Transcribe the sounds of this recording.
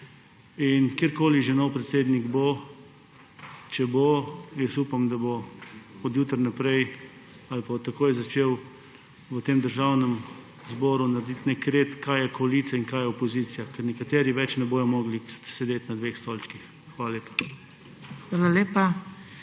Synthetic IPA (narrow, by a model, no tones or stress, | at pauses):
inkjeɾkoːliʒɛnɔwpɾɛt̪seːd̪niɡbo | t͡ʃɛbojəsuːpamd̪aboɔd̪juːt̪ɾnapɾɛj | alpat̪akoːjzat͡ʃeːw | ʋət̪eːmd̪əɾʒawnɛm | zbɔːɾunaɾɛd̪it̪nɛkɾeːt̪kajɛkɔliːt̪sɛinkajɛopɔzit̪sijakɛɾnɛkat̪eːɾiʋɛt͡ʃnɛboːjɔmɔːɡlisɛd̪eːt̪nad̪ʋexst̪olt͡ʃkix | xʋaːlaleːpḁ | xʋaːlaleːpa